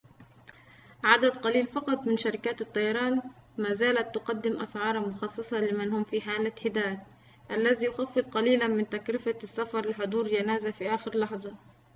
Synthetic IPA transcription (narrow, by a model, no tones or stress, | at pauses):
ʕad̪ad̪qɑliːlfɑqɑt̪ˤmɪnʃaɾɪkaːt̪ɨt̪ˤːɑjɑɾˤɑːnmaːzaːlat̪ːʊqɑd̪ːɪmʔa̰sʕɑːɾˤɑmʊxɑsˤːɑsˤɑlɪmanhʊmfiħaːlaħɪd̪aːd̪̚ | ʔalːazijʊxafːɨd̪̚ˤqɑliːlanmɪnt̪akɾɪfasːafɑɾˤlɪħʊd̪ˤuːɾd͡ʒanaːzafiʔaːxɪɾlɑħðˤɑ